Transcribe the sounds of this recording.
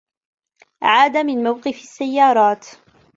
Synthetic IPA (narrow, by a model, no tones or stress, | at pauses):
ʔʕaːd̪amɪnmawqɨfasːajːɑːɾˤɑːt̪